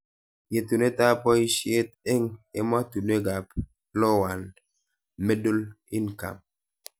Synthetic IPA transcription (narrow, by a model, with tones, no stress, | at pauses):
je˨tu˨ne˦ta˦pɔ˦i˦ʃje˦t̪̚e˦ŋe˦ma˦tu˨ne˦ɡa˨p | lɔ˦wa˨n | me˦do˦l | ɪ˦nka̰˨m